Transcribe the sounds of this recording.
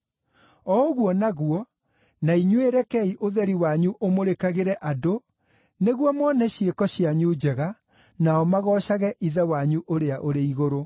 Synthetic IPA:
ɔoɣwɔnaɣuɔ | naiɲweɾɛkɛiʔoðɛɾiwaɲuʔomoɾekaɣeɾɛʔado | neɣwɔmɔnɛɕjekɔɕjaɲud͡ʑɛɣa | naɔmaɣɔːɕaɣɛʔiðɛwaɲuʔoɾeaʔoɾeiɣoɾo

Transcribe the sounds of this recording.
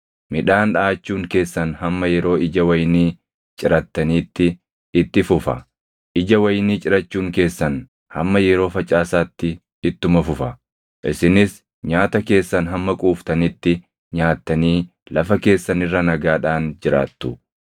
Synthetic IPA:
mɪᶑaːnᶑaːt͡ʃːuːŋke̞ːsːɐnhɐmːɐjɛɾo̞ːɪd͡ʒɐwɐjɪniː | t͡ʃʼɪɾɐt̪ːɐniːt̪ːɪ | ɪt̪ːɪfʊfɐ̰ | ʔɪd͡ʒɐwɐjniːt͡ʃʼɪɾɐt͡ʃːuːŋke̞ːsːɐn | hɐmːɐjɛɾo̞ːfɐt͡ʃʼaːsaːt̪ːɪ | ɪt̪ːʊmɐfʊfɐ | ʔɪsɪnɪs | ɲaːt̪ɐke̞ːsːɐnɦɐmːɐkʼuːft̪ɐnɪt̪ːɪ | ɲaːt̪ːɐniː | lɐfɐke̞ːsːɐnɪrːɐnɐɡaːᶑaːnd͡ʒɪɾa̰ːt̪ːʊ

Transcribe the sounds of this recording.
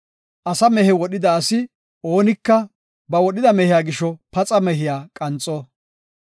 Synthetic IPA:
ʔɐsɐmɛhɛwɔɗɪd̪ɐːsɪ | o̞ːnɪkːɐ | bɐwɔɗɪd̪ɐmɛhɪjaːɡɪʃːɔpɐt͡sʼɐmɛɦɪjaːkʼɐnt͡sʼːɔ

